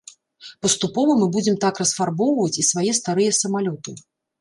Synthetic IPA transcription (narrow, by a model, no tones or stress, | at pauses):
pɐst̪upɔvɐmɨbud͡zʲɛmt̪akrɐsfarbɔwvɐt͡sʲisvajɛst̪aɾɨjɛsɐmalʲɔt̪ɨ